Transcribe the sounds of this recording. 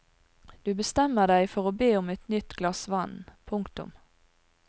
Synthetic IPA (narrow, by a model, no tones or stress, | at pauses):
d̪̥ʉːbəst̪ɛmːəd̪æɪfɔʁoːbeːʊmɛt̪nʏt̪ɡlɑsʋɑnːpʰʊŋkt̪ʊ̰m